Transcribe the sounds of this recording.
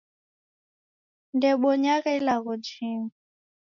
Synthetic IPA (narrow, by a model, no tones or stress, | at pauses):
ndɛɓɔɲaɣɛilaɣɔd͡ʒiːŋ